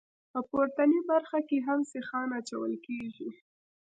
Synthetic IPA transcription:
pəpoɾt̪anibaɾxakeɦamsɪxɑnat͡ʃawə̰lkeʒi

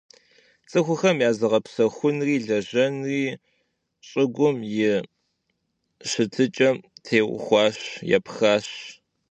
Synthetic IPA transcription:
t͡sʼɨxʷʊxɐmjaːzɨʁɐpsɐxʷʊnriːɮɐʑɐnriː | ɕʼɪɡʷʊmjɪ | ɕɨtʰɨt͡ʃʼɐmtʰeːwʷʊ̰xʷɑːɕjɛ̰pxaːɕ

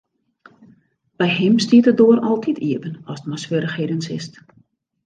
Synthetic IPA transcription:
b̥ɛjhɪmstiətədoərɔlˠtʰitʰiəpənɔstmasʋøɾəxhedənsɪ̰st

